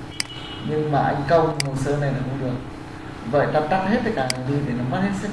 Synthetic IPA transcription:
ɲɨ˧ŋmaː˨˩ʔa˧jŋ̟kə˧wmu˨˩səː˧na˨˩jla̰ː˨˩ko˧ŋ͡mɗɨ˨˩ək̚ | və̰ː˧˨jt̪aː˧p̚t̪a˦˥t̚he˦˥t̪̚aː˧˨jkaː˨˩ŋa˨˩ɗi˧ɗe˨˩nɔ˨˦ma˦˥t̚he˦˥t̚sɛ˦˥

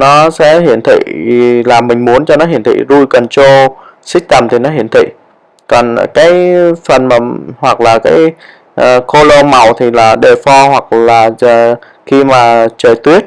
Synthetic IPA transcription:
nɔ˨˦sɛ̰˧˥ɦḭ˧˩˨ənt̪ʰḭ˧˨laː˨˩mï˨˩ŋ̟mu˨˦ənt͡ɕɔ˧nɔ˨˦ɦi˧˩ənt̪ʰḭ˧˨zu˧jkɔ˨˩nt͡ɕo˧ | sï˦˥k̟̚t̪ə˨˩mt̪ʰi˨˩nɔ˨˦ɦi˧˩ənt̪ʰḭ˧˨ | kɔ˨˩n˨kaː˨˦jfə˨˩nmaː˨˩hwa˨˩k̚laː˨˩kaː˨˦j | ʔko˧lo˧ma˨˩wt̪ʰi˨˩laː˨˩ɗe˨˩fɔ˧hwa˨˩k̚laː˨˩˨ | xi˧maː˨˩t͡ɕəː˨˩t̪wi˦˥ət̚

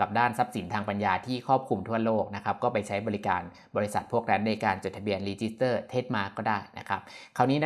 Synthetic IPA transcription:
ka˨˩p̚daː˥˩nsa˦˥p̚si˨˩˦nt̪ʰaː˧ŋpa˧njaː˧t̪ʰiː˥˩kʰɔː˥˩p̚kʰu˧mt̪ʰu˥˩ɐloː˥˩k̚na˦˥kʰa˦˥p̚kɔː˥˩pa˧jt͡ɕʰa˦˥jbɔː˧li˦˥ka̰ː˧n | bɔː˧ɾi˦˥sa˨˩t̪̚pʰu˥˩ək̚ɾɛ˦˥nːa˧jkaː˧nt͡ɕo˨˩t̪ʰa˧bi˧ənɾiː˧t͡ɕi˦˥st̪ɤː˥˩t̪ʰeː˦˥t̪̚maː˧˥kɔː˥˩daː˥˩jna̰˦˥kʰɾa˦˥p̚kʰa˧˩wniː˦˥na˦˥

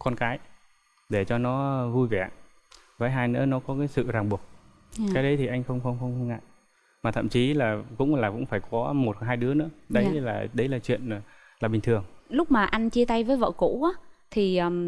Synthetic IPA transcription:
kɔ˧nkaː˨˦j | ɗe˧˩t͡ɕɔ˧nɔ˨˦vu˧jvɛ˧˩ | vaː˨˦jɦaː˧jnɨ̰˧˥ənɔ˨˦kɔ˨˦kaː˨˦jsɨ̰˧˨zaː˨˩ŋɓu˨˩ək̚ | kaː˨˦jɗə˨˦jt̪ʰi˨˩ʔa˧jŋ̟xə˧wŋ͡mxə˧wŋ͡mxə˧wŋ͡mxə˧ŋ͡mŋa̰˧˨j | maː˨˩t̪ʰə̰˧˨mt͡ɕi˨˦laː˨˩kʊ̰˧˥ŋ͡mlaː˨˩kʊ̰˧˥ŋ͡mfaː˧˩jkɔ˨˦mo˨˩t̚haː˧jɗɨ˨˦ənɨ̰˧˥əɗə˨˦jlaː˨˩ɗə˨˦jlaː˨˩t͡ɕwḭ˧˨ən˩ | laː˨˩ɓï˨˩ŋ̟t̪ʰɨ˨˩əŋlʊ˦˥k͡p̚maː˨˩ʔa˧jnt͡ɕi˧ət̪a˧jvəː˨˦jvə̰ː˧˨ko̰˧˥ʔaː˨˦t̪ʰi˨˩ə˨˩

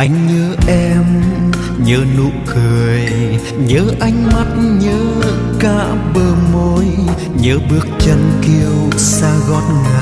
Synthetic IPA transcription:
ʔa˧jŋ̟ɲəː˨˦ʔɛ˧m | ɲəː˨˦nṵ˧˨kɨ˨˩əj | ɲəː˨˦ʔa˧jŋ̟ma˦˥t̚ɲəː˨˦ | ka̰ː˧˥ɓəː˧˩mo˧˦j | ɲəː˨˦ɓɨ˦˥ək̚t͡ɕə˧nki˧əwsaː˧ɣɔ˧˥t̚ŋa˨˩

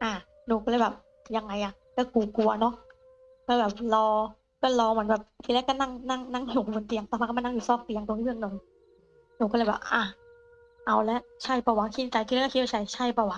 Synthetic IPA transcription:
ʔaː˧˩ | nuː˧˩kɔː˥˩lɤ˧˦jbɛː˨˩p̚ | ja˧ŋːa˧jʔa˨˩ | kɔː˧˩kuː˨˩ku˧ɐnɔ˦˥ʔ | kɔː˧˩bɛː˨˩p̚lɔː˧ | kɔː˧˥˩lɔː˧mɯ˩˦ə˦nbɛː˨˩p̚t̪ʰiː˧˩lɛ˦˥kɔː˥˩na˧˥˩ŋna˥˩ŋna˧˥˩ŋjuː˨˩kːnt̪i˧əŋt̪aː˧˩ma˧˩kːna˥˩˨ju˨˩sɔː˧˩k̚t̪i˧ə˧ŋt̪o˧ŋʰi˥˩ɯ˧˩ə˨ŋnɤ˨˩˦ŋ | nuː˧˩kɔː˥˩lɤː˧˩jbɛː˨˩p̚ʔaː˧˩ | ʔa˧˩wlɛ˦˥ʔt͡ɕʰa˥˩jpɔː˧˩wa˨˦ŋkʰi˧n˧˩t͡ɕa˧jt̪ʰi˧˦˥k̪̚ːʰwaː˧t͡ɕʰa˥˩jt͡ɕʰa˥˩jpɔ˧˩wa˨˦

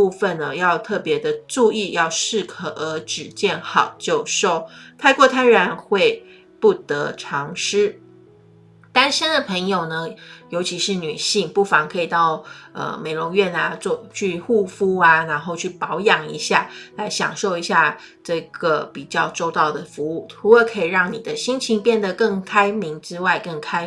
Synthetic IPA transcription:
u˥˧fə˨nə˩jɑ˥˧ʊt̪ʰɤ˥˩pjɛ˧˥d̪ə˧ʈ͡ʂu˥˧i˥˧jɑ˥˧ʊʂɻ̩˥˩kʰɤ˨˩ʔə˧˥ʈ͡ʂɻ̩˨˩t͡ɕjɛ˥˩nxɑ˨˩ʊt͡ɕjo˥˧ʊʂo˥˧ʊt̪ʰa˥˧ɪkwɔ˥˧t̪ʰa˥ɪɻa˧˥nxwe˥˧ɪ | pu˥˩t̪ɤ˧˥ʈ͡ʂʰɑ˧˥ŋʂɻ̩˥ | t̪a˥nʂə˥nd̪ə˨pʰə˧˥ŋjo˨˩ʊnə˩˦jo˧˥ʊt͡ɕʰi˧˥ʂɻ̩˥˩ny˨˩ɕi˥˩ŋpu˥˩fɑ˧˥ŋkʰɤ˧˥i˨˩t̪ɑ˥˩ʊə̰˩me˨˩ɪlʊ˧˥ŋɥɛ˥˩na˧t͡sɔ˥˧t͡ɕʰy˥˧xu˥˧fu˥a˨˧na˧˥nxo˥˧ʊt͡ɕʰy˥˩pɑ˧˥ʊjɑ˨˩ŋi˧˥ɕja˥˩la˧˥ɪɕjɑ̰˨˩ŋʂo˥˩ʊi˧˥ɕja˥˧ | ʈ͡ʂɤ˥˩ɡ̥ə˩pi˨˩t͡ɕjɑ˥˧ʊʈ͡ʂo˥˧ʊt̪ɑ˥˩ʊd̪ə˩fu˧˥u˥˩tʰu˧˥lə˧kʰɤ˧˥i˨˩ɻɑ˥˩ŋni˨˩d̪ə˦ɕi˥ŋt͡ɕʰi˧˥ŋpjɛ˥˩nd̪ə˩kɤ˥˩ŋkʰa˥ɪmi˧˥ŋʈ͡ʂɻ̩˥wa˥˧ɪkɤ˥˩ŋkʰa˥ɪ

